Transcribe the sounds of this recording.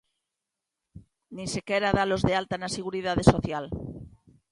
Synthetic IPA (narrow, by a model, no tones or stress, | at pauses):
nĩsekeɾaðalo̞zðealt̪anaseɣ̞uɾið̞að̞eso̞θjal